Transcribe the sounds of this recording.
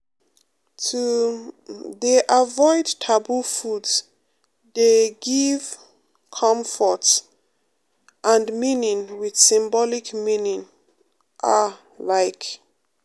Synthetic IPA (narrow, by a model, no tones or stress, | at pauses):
tʰu | ðeʔavɔɪdtʰabufudz | deɡiv | kʰɔ̃ɱfɔt | ʔãnmĩnĩŋwið̥sĩmbɔlikmĩnĩŋ | ʔa | laɪk